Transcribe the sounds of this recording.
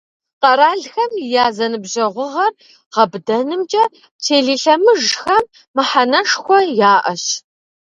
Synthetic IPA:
qɐɾaːɮxɐmjaːzɐnɨbʑɐʁʷʊʁɐr | ʁɐbdɐnɨmd͡ʒʼɐ | tʰeːɮiːɬɐmɨʒxɐmː | ɨħanɐʂxʷɔjaːʔɐɕ

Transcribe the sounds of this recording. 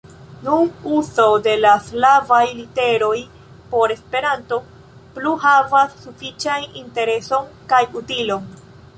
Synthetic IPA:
nunuso̞de̞laslavajlite̞ɾo̞j | po̞ɾe̞spe̞ɾanto̞ | pluɦavasːufit͡ʃaninte̞ɾe̞so̞nkajutilo̞n

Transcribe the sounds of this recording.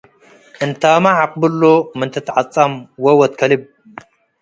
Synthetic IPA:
ʔɨnt̪ʰaːmaʕaqʼbɨlːomɨnt̪ʰɐt̪ʰʕat͡sʼːɐmwɐwɐt̪̚kʰɐlib̚

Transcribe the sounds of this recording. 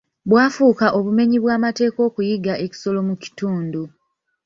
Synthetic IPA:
βwaːfuːkaʔo̞βume̞ɲiβwaːmate̞ːko̞ːkujiɡaʔe̞ci̥so̞lo̞muci̥tuːndu

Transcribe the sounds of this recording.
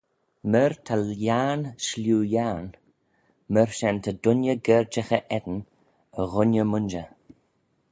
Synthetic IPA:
məɹt̪ʰaljanʃljuːjaːn | məɹʃɛnt̪ʰəd̪ʊnjəɡɛɹd͡ʒəxəʔɛd̪ən | əɣʊnjəmʊnd͡ʒə

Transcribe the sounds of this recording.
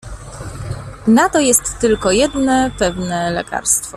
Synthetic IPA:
nat̪ɔjɛst̪ːɘlkɔjɛd̪nɛpɛvnɛlɛ̰ka̰ɾst̪fɔ

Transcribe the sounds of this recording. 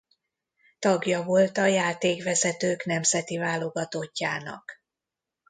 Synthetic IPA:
t̪ɒɡjɒvo̞lt̪ɒjaːt̪eːkvɛzɛt̪øːknɛmzɛt̪ivaːlo̞ɡɒt̪o̞cːaːnɒ̰k

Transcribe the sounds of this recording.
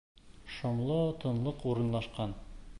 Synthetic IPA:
ʃŏmlˠɤt̪ɤ̆nlˠɤquɾɤ̆nlˠɑʃqɑn

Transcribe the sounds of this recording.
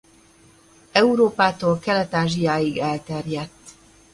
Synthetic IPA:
ɛuɾoːpaːt̪oːlkɛlɛt̪aːʒijaːjiɡɛlt̪ɛrjɛt̪ː

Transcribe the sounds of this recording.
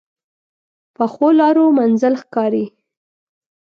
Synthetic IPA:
pəxolɑɾomanzəlxkɑɾi

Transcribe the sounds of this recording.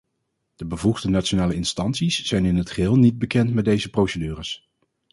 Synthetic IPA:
d̥əbəvuχdənat͡ʃonaːləɪnstɑntsisz̥ɛjnɪnɦətχəɦɪːlˠnid̚bəkɛntmɛt̚dejzəprowsədyːrəs

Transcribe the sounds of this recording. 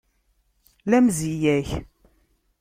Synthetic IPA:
læmzijæç

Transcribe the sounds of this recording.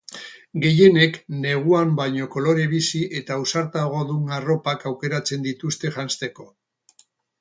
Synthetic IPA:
ɡe̞je̞ne̞kne̞ɣ̞uambajɲo̞ko̞lo̞ɾe̞βisiʔe̞t̪ausaɾt̪aɣ̞o̞ðuŋaro̞pakawke̞ɾat͡se̞nd̪it̪ust̪e̞ʝanst̪e̞ko̞

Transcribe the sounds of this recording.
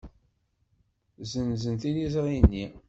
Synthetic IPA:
zəmzənt̪ilizʁinːi

